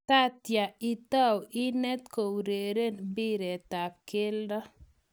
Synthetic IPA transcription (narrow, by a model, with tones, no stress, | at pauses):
ta˦t̪ja˨i˦t̪a˦wi˦nɛ˦t̪ko˨wɾe˨ɾe˦nbi˦ɾɛ˨t̪a˨p̚kɪ˦ldɔ˦